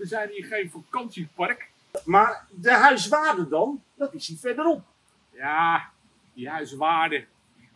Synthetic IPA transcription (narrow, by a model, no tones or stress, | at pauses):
əzɛjniːɹχejnfakɑnsipɑrk | maːrdəɦœɥsʋaːrdədɑndɑtɪshifɛɹdəɾɔp̚ | jaː | diɦœɥsʋaːdə